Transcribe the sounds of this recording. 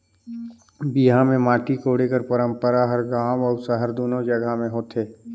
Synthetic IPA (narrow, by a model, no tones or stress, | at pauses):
biɦamẽmaːʈikoːɽekəɾpəɾə̃mpəɾaɦəɾɡãːmɔːsəɦəɾd̪oːnod͡ʒɐɡamẽɦoːt̪eː